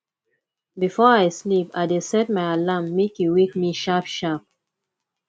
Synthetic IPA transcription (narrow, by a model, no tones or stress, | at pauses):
bifɔaɪslipaɪdesɛt̚maɪalamːekjuwik̚miʃapʃap̚